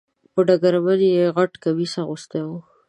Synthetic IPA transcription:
pəɖaɡaɾabaljeɣaʈkawisaɣʊst̪e

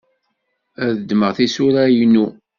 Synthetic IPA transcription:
æðəd̪məʁθisʊɾæjnu

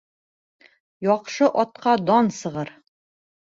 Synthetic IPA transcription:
jɒqʃɤʔɒt̪̚qɑd̪ɒnsɤ̆ʁɤɾ

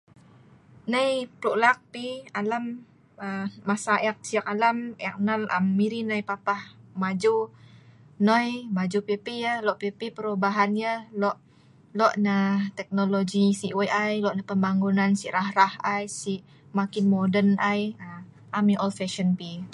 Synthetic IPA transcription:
nəjpɾuʔlak̚pialam | əːasaʔɛk̚siak̚alamɛk̚naləmːiɾinəjpapahmad͡ʒu | nojmad͡ʒupipijəhlɔʔpipipəɾubaɦanjəhlɔʔ | lɔʔnət̪ɛk̚noloɡisiʔwʔajlɔʔnəpəmbaŋɡunansiʔɾahɾahajsiʔ | makinmodənʔajə | ʔamiʔɔlfɛʃənpi

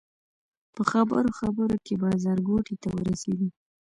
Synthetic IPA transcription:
pəxabə̰ɾoxabəɾokebɑzɑɾɡoʈit̪awə̰ɾaseɡ̪i

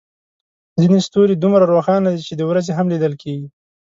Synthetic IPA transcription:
zinest̪oɾed̪umɾaɾoxɑnad̪it͡ʃed̪əwɾazeɦamlid̪əlkʰeɡi

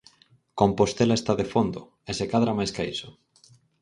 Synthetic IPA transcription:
kompost̪elaest̪aðefond̪ʊ | esekaðɾamajskaisʊ̥

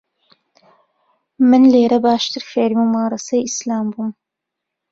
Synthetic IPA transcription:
mɨnleːɾɐbaːʃt̪ʰɨɾfeɾmimɑːɾɐsɐjislaːmbum

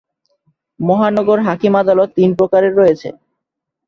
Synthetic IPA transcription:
mɔɦanɔɡoɾɦakimad̪alɔt̪ːinpɾokaɾeɾːɔjet͡ɕʰḛ

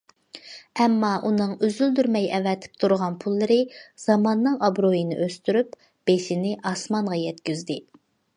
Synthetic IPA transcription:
ɛmːɑʔunɨŋyzyld̪yɾmɛjɛvɛt̪ʰɪ̥p̚t̪ʰuɾʁɑnpʰulˠːɨɾɨz̥ɑmɑnːɨŋɑbɾojinɪ̰ʔøst̪yɾyp | b̥eʃɪnɪʔɑsmɑɴʁɑjɛt̪kʲyzd̪ɪ

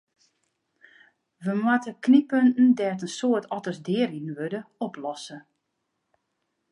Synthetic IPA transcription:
ʋəmwatəknipøntn̩dɛtənsoətʰɔtəsdɪːəɾinʋødəɔplɔsə

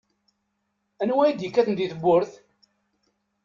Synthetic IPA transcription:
ænwæjid̪jəkːæθənd̪iθəbːʊɾθ

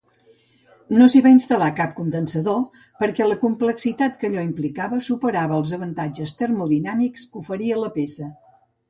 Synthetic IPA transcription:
nosiβainst̪əlakap̚kund̪ənsəðo | pəɾkɛləkumpləksit̪at̪kəʎɔimplikaβəsupəɾaβəːlˠzəβənt̪ad͡ʒəst̪əɾmuðinamikskufəɾiələpesə

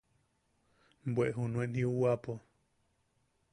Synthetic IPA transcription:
bweʔɦunuenhiuwapo

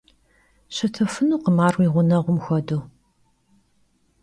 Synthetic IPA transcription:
ɕɐtʰɨfɨnuːqəmaːrwiːʁʷʊnɐʁʷʊmxʷɐduː

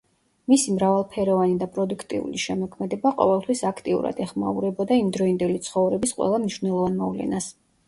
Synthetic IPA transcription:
misimɾavalˠpʰɛɾɔvanid̪apʼɾɔd̪ukʰt̪ʼḭṵliʃɛmɔkʰmɛd̪ɛbaqʼɔ̰vɛlˠt̪ʰwisakʰt̪ʼiṵɾa̰d̪ɛχma̰uɾɛbɔd̪aimd̪ɾɔind̪ɛlit̪sʰχɔvɾɛbisqʼwɛ̰lˠamniʃvnɛlˠɔvanmɔvlɛ̰nas

